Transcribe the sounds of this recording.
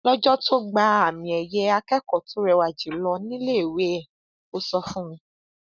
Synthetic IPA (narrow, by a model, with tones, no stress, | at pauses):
lɔ˦d͡ʒɔ˦tʰo˦ɡ͡ba˧˦a˨mĩ˨ɛ˨jɛ˦a˧kɛ˦kɔ˦˨tʰo˨˦ɾɛ˧wa˨d͡ʒi˨˦lɔ˧nĩ˦le˦i˨we˨˦ɛ˦˨ | o˦sɔ˧fũ˦mĩ˧